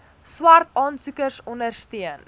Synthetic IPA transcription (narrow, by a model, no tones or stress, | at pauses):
swartɑːnsukərsɔndərstiən